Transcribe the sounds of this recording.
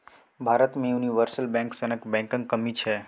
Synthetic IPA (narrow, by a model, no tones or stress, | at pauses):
bʱaɾət̪mẽjuniʋəɾsəlbɛ̃ŋksənəkbɛ̃ŋkə̃ŋkəmit͡ʃʰe